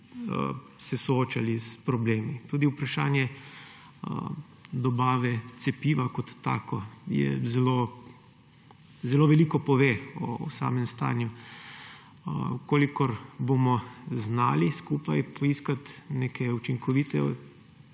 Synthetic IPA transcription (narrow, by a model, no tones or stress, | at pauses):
ə̰ | sɛsɔoːt͡ʃalispɾɔbleːmit̪uːd̪iupɾaʃaːnjɛ̰ | d̪ɔbaːʋɛt̪sɛpiːʋakɔt̪ːa̰ːkɔjɛ̰zɛlo | zɛloʋɛliːkɔpɔʋeɔ̰sa̰ːmɛmst̪a̰ːnju | koːlikɔɾbomɔznaːliskuːpajpɔiskat̪nekʰɛut͡ʃiŋkɔʋiːt̪ɛ̰